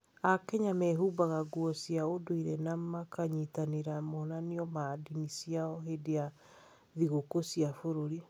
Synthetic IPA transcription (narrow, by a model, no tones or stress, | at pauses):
akɛɲamɛɦubaɣaɡwɔsiaodoiɾɛnamakaɲitaneɾamɔnaniɔmadinisiaɔɦedea | ðiɣokosiafoɾoɾi